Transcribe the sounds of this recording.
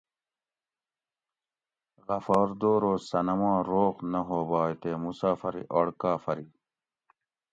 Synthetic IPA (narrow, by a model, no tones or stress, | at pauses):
ʁɐfaːɾd̪oːɾoːsɐnɐmãːɾoːqnɐɦoːbaːjt̪eːmusaːfɐɾḭʔoɽkaːfɐɾi